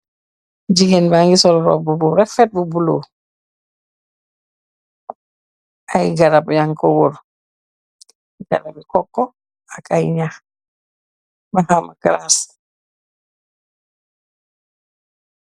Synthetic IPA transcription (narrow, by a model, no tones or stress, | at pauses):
ɟiɡenbaŋɡisɔɾɾɔ̰bubuɾɛfɛt̚bubulo | ajiɡaɾapjaŋkowuɾ | ɡa̰ɾabikɔkːɔ | akajɲax | bahamakaɾas